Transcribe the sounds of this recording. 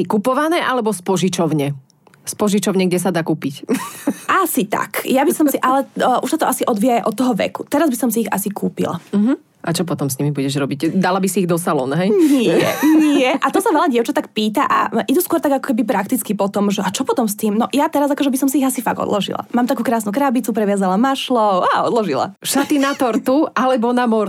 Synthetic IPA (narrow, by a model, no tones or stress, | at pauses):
sikupɔʋanɛːʔalɛbɔspɔʒit͡ʃɔʊɲɛ | spɔʒit͡ʃɔʊɲɛɡɟɛsad̪akuːpicʔasit̪a̰kjabisɔmsiʔalɛʔuʃsat̪ɔasiʔɔd̪ʋijajɛʔɔt̪ːɔɦɔʋɛ̰kut̪ɛɾazbisɔmsiiɣa̰sikuːpḭla̰m̩ɦ̩ | ʔat͡ʃɔp̬ɔt̪ɔmsɲimibuɟɛʒɾɔbiɟd̪alabisiiɣd̪ɔsalɔ̰nɦɛjnijɛ̰nɪɛʔat̪ɔsaʋɛlaɟɪɛʊt͡ʃat̪ak̚piːt̪aʔa̰ʔid̪uskwɔɾt̪aɡakɔ̥kɛbip̬ɾakt̪it͡skipɔt̪ɔmʒɛʔat͡ʃɔpɔt̪ɔmst̪iːmnɔjat̪ɛɾazakɔʒɛbisɔmsiiɣasifa̰ɡɔ̰d̪lɔ̰ʒḭlˠa̰maːmt̪akuːkɾaːsnukɾabit͡supɾɛʋɪazalamaʃlɔʊaɔd̪lɔʒila̰ʃat̪inat̪ɔɾt̪uʔalɛbɔnamɔɾ